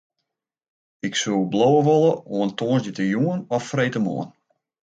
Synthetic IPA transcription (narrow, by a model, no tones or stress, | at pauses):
ɪksublowəʋolˠəoəntʰoːənszjətəjuənɔfːrejtəmo̰ən